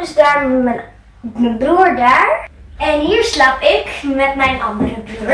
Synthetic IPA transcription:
zdaːɹn | mənbruːɹdaːɹ | ɛnɦiːɹslapɪkmɛtmɛjnʔɑ̰ndərəbruɹ

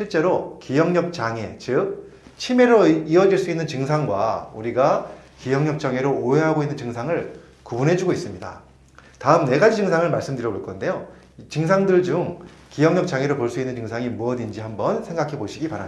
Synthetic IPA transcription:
ɕʰiɭt͡ɕ͈e̞ɾokijʌŋɲʌp̚t͡ɕaŋe̞t͡ɕɯk̚ | t͡ɕʰime̞ɾoiʌd͡ʑiɭs͈uinːɯnt͡ɕɯŋsʰaŋɡwa̰uɾiɡakijʌŋɲʌp̚t͡ɕ͈aŋe̞ɾooɦeɦaɡoinːɯnt͡ɕɯŋsʰaŋɯɭ | kubunɦe̞d͡ʑuɡois͈ɯmɲida̰ | taɯmne̞ɡad͡ʑid͡ʑɯŋsʰaŋɯɭmaɭs͈ɯmdɯɾjʌboɭk͈ʰʌnde̞jo | t͡ɕɯŋsʰaŋdɯɭd͡ʑuŋ | kijʌŋɲʌp̚t͡ɕ͈aŋe̞ɾopoɭs͈uinːɯnt͡ɕɯŋsʰaŋimuʌdind͡ʑihambʌnsʰe̞ŋɡakʰe̞boɕʰiɡipaɾam

